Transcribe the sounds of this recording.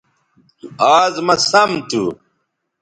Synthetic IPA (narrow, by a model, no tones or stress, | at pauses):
aːzmɐsɐmt̪ṵ